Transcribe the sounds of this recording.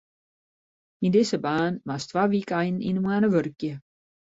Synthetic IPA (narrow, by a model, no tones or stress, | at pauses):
indɪsəbaːnʋastʋaːʋikəajnḭnmwənəʋørkjə